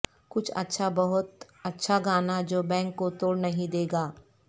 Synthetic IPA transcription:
kʊt͡ʃʰɐ̰tːʃʰabɐɦʊt̪ | ɐtːʃʰaɡaːnad͡ʒoːbɛ̃ːŋkːot̪oːɽnɐɦĩd̪eːɡaː

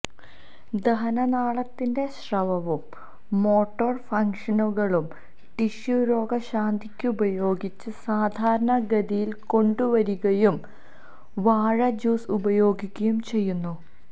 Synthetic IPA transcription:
d̪ɐɦɐnɐnaːɭɐt̪ːinde̞ɕrɐʋɐʋumː | o̞ːʈːoːrfɐŋkʂɐnuɣɐɭum | ʈiɕjuɾo̞ːɡɐɕaːnd̪ʱikʲːɨubɐjo̞ːɡit͡ɕːɨsaːd̪ʱaːɾɐɳɐɡɐd̪ijilko̞ɳɖuʋɐɾuɣɐjum | ʋaːɻɐd͡ʑuːsubɐjo̞ːɡikʲːɐjumt͡ɕe̞jːunːu

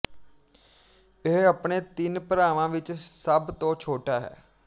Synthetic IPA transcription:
ɪɦəpɳeːt̪ɪnpɾaːʋãːʋɪt͡ʃsəbt̪õːt͡ʃʰoːʈaːɦɛ̰ː

